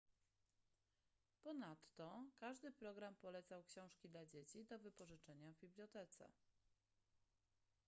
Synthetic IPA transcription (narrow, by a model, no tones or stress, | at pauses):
pɔnat̪ːɔkaʐd̪ɘpɾɔɡɾampɔlɛt̪sawkɕɔ̃w̃ʂkʲid̪lad͡ʑet͡ɕid̪ɔvɘpɔʐɘt͡ʂɛɲavbʲiblʲjɔt̪ɛt̪sɛ̰